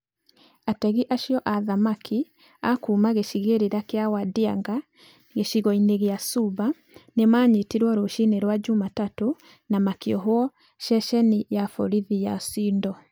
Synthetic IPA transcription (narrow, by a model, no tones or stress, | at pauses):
atɛɣiʔaʃjɔʔaðamakʰi | akumaɣeʃiɣeɾeɾakeawadiaŋɡa | ɣeʃiɣɔineɣeasuβa | nemaːɲetiɾwɔɾoʃineɾwad͡ʒumatato | namakiɔɦoɔ | ʃɛʃɛnijafɔɾiðijasiːndɔ